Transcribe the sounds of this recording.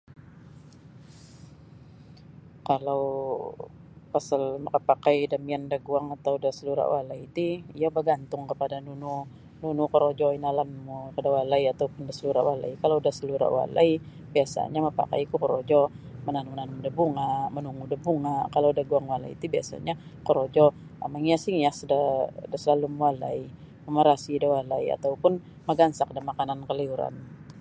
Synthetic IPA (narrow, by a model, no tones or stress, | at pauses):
kalaw | pasalməəpakajdamiandaɡuaŋat̪awdasəluɾa̰walait̪iijabəɡant̪ʊŋkəpadanunu | nunukəɾod͡ʒɔinalanmukədawalaiat̪awpʊndasəluɾawala̰jkalawdahsəluɾa̰ʔwa̰la̰i | biasa̰ɲaməpa̰ka̰jkukəɾod͡ʒɔmənanunanmudəbuŋamənuŋudəbuŋakaladahɡuaŋwala̰iit̪ubia̰sa̰ɲakəɾod͡ʒɔ | a̰maŋiasiŋiasdədəsəlalumwala̰i | məməɾasidəwalaia̰t̪awpʊn | məɡansak̚dəmakanankəliuɾa̰n